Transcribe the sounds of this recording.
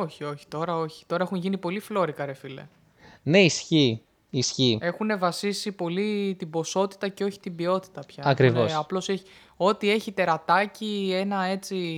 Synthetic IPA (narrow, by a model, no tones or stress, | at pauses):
o̞çio̞çi̥t̪o̞ɾɐo̞çi̥t̪o̞ɾɐe̞xunʝinipo̞liflo̞ɾikɐɾe̞file̞̰ | ne̞isçi | isçie̞xune̞vɐsisipo̞lit̪ibo̞so̞t̪i̥t̪ɐceo̞çi̥t̪imbio̞t̪i̥t̪ɐpçɐɐkɾivosɐplo̞seçi | o̞t̪ie̞çit̪e̞ɾɐt̪ɐcie̞nɐe̞t͡si